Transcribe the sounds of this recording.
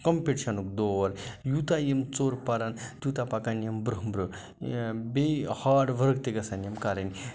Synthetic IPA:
kɐmpeʈiʃʰɐnuk̚d̪oʋɐɾjut̪ajemt͡soːɾpɐɾɐnt̪jut̪apakanjembɾuɦmbɾɨ | behaɖʋɐɾɡt̪eɡɐsanjemkaɾɐnʲ

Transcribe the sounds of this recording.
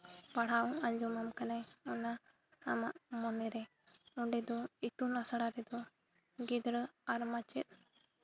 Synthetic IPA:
paɽ̤aɔŋaɲd͡ʒɔmamkanajɔnaː | maʔmɔnɛɾɛ | ɔɳɖɛd̪ɔit̪unɾasaɽaɾɛd̪ɔ | ɡid̪ɾəaɾmat͡ʃɛt̪̚ˀ

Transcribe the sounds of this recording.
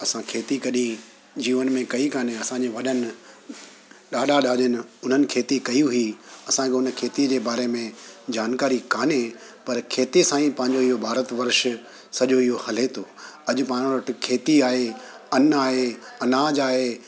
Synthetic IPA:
ɐsãkʰeːt̪ikɐɗĩ | d͡ʑiːʋənmẽkɐikaːn̤eɐsãɲd͡ʑeʋɐɗənɪ̆ | ɗaːɗʱaɗaːʄənɪʊn̤ənɪ̆kʰeːt̪ikɐjũɦiɐsãkʰeʊnəkʰeːt̪iəd͡ʑeːbaːɾemẽd͡ʑaːnkaːɾikaːne | pɐɾkʰeːt̪isãːĩpɐ̃ɦɪ̃ɲ̆d͡ʑoɪɦobʱaːɾət̪ʋɐɾʃ | sɐʄoɪɦohɐl̤et̪ʰoːɐʄʊ̆pãːɽ̃ʋɐʈɪ̆kʰeːt̪iaːɦe | ɐnaːɦeɐnad͡ʑaːɦeː

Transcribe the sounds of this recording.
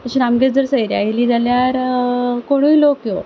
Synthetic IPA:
t̪əɕinamɡed͡zəɾsəjɾjajliːd͡zaljaɾkoɽ̃uilokjo

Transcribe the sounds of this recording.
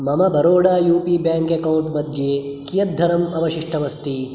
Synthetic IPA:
mɐmɐbʱɐɾoːɽaːjuːpiːbjaːŋkekɐwɳʈmɐd̪ʱjeː | kijɐt̪̚d̪ʱɐɾɐmɐʋɐʃiʂʈʰɐʋɐst̪i

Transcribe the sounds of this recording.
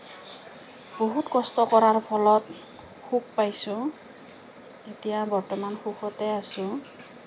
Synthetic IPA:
b̥oɦutkɔstɔkɔɹaɹpʰɔlɔt | xuk̚pajsʊ̃ | etijabɔɹtɔmanxukʰɔtɛasʊ̃

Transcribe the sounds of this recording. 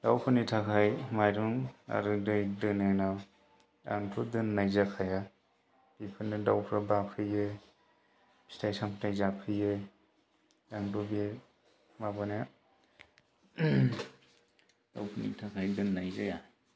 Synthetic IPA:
d̥awpʰɯnitʰakʰajmajɾuŋa̰ɾɯdɯjdɯnana | a̰ŋtʰudɯnːajzakʰaja | bipʰɯnɯdawpʰɾabapʰɯjɯ | bi̥stʰajsampʰtajzapʰɯje | aŋdubie | mabanja | d̥awpʰɯnḭtʰakʰajdɯnːajzaja

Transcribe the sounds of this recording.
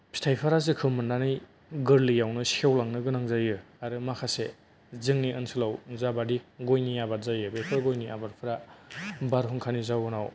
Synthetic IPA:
pʰi̥tʰajpʰaɾazɯkʰɯmɯndanɯj | ɡɯɾlijawnɯsawlaŋnɯɡɯnaŋzajɯ | aɾɯmakʰase | zɯŋniɯnsɯlawzabadiɡojniabaɾzajɯbepʰɯɾɡojnia̰baɾpʰɯɾa | baɾɦuŋkʰanizawɯnaw

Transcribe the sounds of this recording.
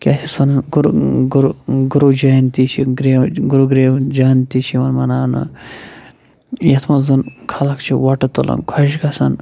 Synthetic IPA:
kʲasʲʰisɐnɡɾuɡɾuɡuɾud͡ʒɐjɐnt̪it͡ʃʰiɡɾeɡuɾuɡɾeːwd͡ʒɐnt̪it͡ʃʰiʋɐnmɐnaːnɐ̰ | jɐt̪ʰmɐzɐnkʰɐlɐkt͡ʃʰiʋɐʈɐt̪ɐlɐ̰nkʰɐʃkɐsɐn

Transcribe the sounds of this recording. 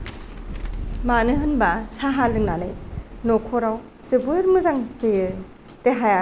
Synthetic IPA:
manɯɦɯnbasaɦalɯŋnanɯjnokʰɔɾaw | z̥ɯbɯɾmɯzaŋhɯjɯ | teɦaja

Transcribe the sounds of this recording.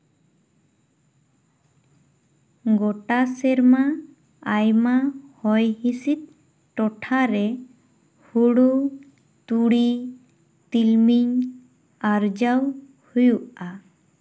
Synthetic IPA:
ɡɔʈasɛɾma | ajmahɔjhisit̪̚ | ʈɔʈʰaɾɛ | huɽu | t̪uɽi | t̪ilmiɲ | aɾd͡ʒaw | hujuʔa

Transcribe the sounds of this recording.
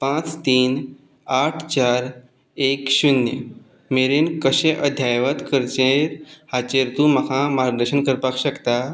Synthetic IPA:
pãt͡st̪iːn | aʈʰt͡ɕaːɾ | ekɕunjə | meɾinkəɕẽʔəd̪ʱjajʋət̪kəɾt͡ɕeɾhat͡ɕeɾt̪ũməkʰãmaɾd̪əɾɕənkəɾpakɕəkt̪a

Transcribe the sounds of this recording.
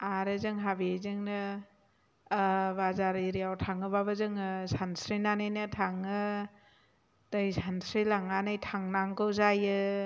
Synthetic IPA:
aɾɯzɯŋɦabizɯŋnɯ | bazaɾiɾijawtʰaŋɯbaβazɯŋɯsansɾinanɯjnɯtʰaŋɯ | tɯjsansɾijlaŋanɯjtʰaŋnaŋkɯwzajɯ

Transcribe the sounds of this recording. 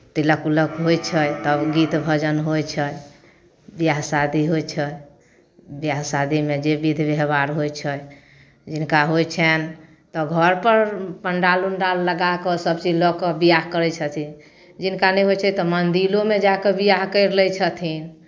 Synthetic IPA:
t̪iləkuləkɦojt͡ʃʰəjt̪əbɡit̪bʱəd͡ʒənɦojt͡ʃʰə | bijaɦsad̪iɦojt͡ʃʰə | bjaɦsad̪imed͡ʒebid̪ʱbeɦbaɾɦojt͡ʃʰə | d͡ʒinkaɦojt͡ʃʰɛn | t̪ɔɡʱəɾpəɾpəɳɖalunɖalːəɡakɔsəbt͡ʃid͡ʒlɔkɔbijaɦkəɾɛt͡ʃʰət̪ʰin | d͡ʒinkanɛjɦojt͡ʃʰɛt̪ɔmənd̪ilomed͡ʒakebijaɦkəjɾlɛjt͡ʃʰət̪ʰin

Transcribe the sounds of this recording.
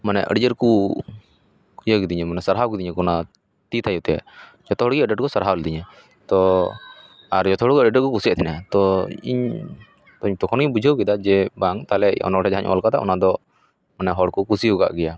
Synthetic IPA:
manɛʔə̰ɖd͡ʒəɾku | jəɡid̪iɲɛmanɛsəɾɦawkid̪iɲɛkɔna | t̪it̪ʰajut̪ɛja̰ | d͡ʒɔt̪ɔɦɔɽɡɛəɖəʈkɔsaɾɦald̪iɲɛ | t̪ɔ | aɾd͡ʒɔt̪ɔɦɔɽkɛəɖɖəkɔkusɛʔt̪ʰɛnat̪ɔḭɲ | t̪ɔiɲt̪ɔkʰɔnujbud͡ʒʱəwkɛd̪ad͡ʒɛbaŋt̪alɛɔ̰nɔʈʰɛd͡ʒaɦaɲʔɔ̰lkat̪a̰ʔɔ̰nad̪ɔ | manɛɦɔɽkukusiuɡa̰ʔɡɛja

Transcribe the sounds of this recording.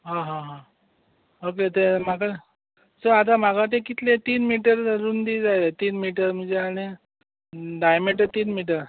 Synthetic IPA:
ɦãɦãɦã | ok̬et̪em̤aka | səɾat̪̬am̤akat̪̬ẽkit̪let̪iːnmiʈəɾɾuːnd̪iːd͡zajlet̪iːnmiʈ̬əɾm̤əɳd͡zeaɽ̃i | ɖajmeʈət̪iːnmiʈ̬əɾ

